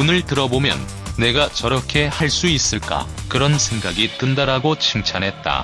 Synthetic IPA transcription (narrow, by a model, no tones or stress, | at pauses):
onɯɭtɯɾʌbomjʌ̰nː | e̞ɡat͡ɕʌɾʌkʰe̞haɭs͈uis͈ɯɭk͈a̰ | kɯɾʌnsʰe̞ŋɡaɡitɯndaɾaɡot͡ɕʰɯŋt͡ɕʰanɦe̞t̚t͈a̰